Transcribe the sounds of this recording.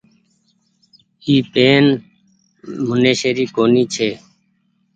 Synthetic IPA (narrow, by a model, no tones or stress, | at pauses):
iːpeːn | mʊneːʃeːɾiːkoːniːt͡ʃʰeː